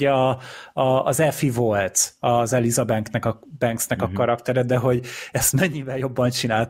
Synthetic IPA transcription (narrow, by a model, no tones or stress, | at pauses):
ɒɒːzɛfivo̞lt̪ɒzɛlizɒbɛŋknɛkɒbɛŋksnɛkɒkɒɾɒkt̪ɛɾɛd̪ɛɦo̞ɟɛst̪mɛɲːivɛljo̞bːɒnt͡ʃinaːlt̪